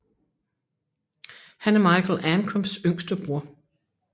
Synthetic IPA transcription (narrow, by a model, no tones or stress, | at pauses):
hænæɐmɑ̈ɪkʰl̩ˠænkʰɔmsøŋsd̥əb̥ʁuɐ̰